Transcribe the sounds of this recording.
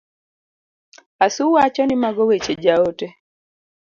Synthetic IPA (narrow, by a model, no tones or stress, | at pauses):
asʊwat͡ʃɔnɪmaɡɔwet͡ʃed͡ʒaote